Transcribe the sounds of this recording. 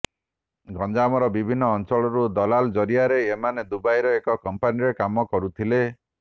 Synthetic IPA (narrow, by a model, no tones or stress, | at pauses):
ɡɔnd͡ʒamɔɾɔbibʱinːɔːnt͡ʃɔɭɔɾud̪ɔlald͡ʒɔɾiaɾeːmaned̪ubajɾɔekɔkɔmpaniɾekamɔkɔɾut̪ʰile